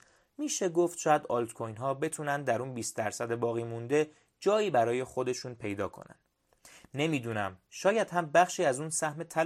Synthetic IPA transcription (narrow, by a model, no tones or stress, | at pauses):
miːʃe̞ɡoft̪ʃɒːjæd̪ɒlt̪kʰojnɦɒːbe̞t̪ʰuːnænd̪d̪æɾuːnbiːst̪̚d̪æɾsæd̪ebɒːɣiːmund̪e̞ | d͡ʒɒːiːbæɾɒːje̞xo̞d̪e̞ʃuːnpʰe̞jd̪ɒ̰ːkʰo̞̰næ̰nd̥̪ | ne̞miːd̪uːnæmʃɒːjæd̪̥hæmbæχʃiːæzuːnsæhme̞t̪ʰæl